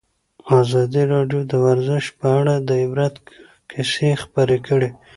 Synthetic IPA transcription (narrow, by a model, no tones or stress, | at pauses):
azɑd̪iɾɑɖjod̪əwaɾzɪʃpəaɽad̪əɪbɾat̪ | kʰɪsexpəɾekəɽe